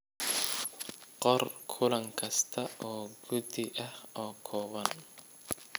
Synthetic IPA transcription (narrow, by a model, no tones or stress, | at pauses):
qɔrkʰʊlɐŋkʰɐst̪ʰɐʔɔːɡʊd̪ɪʔɐhɔːkʰɔːβɐn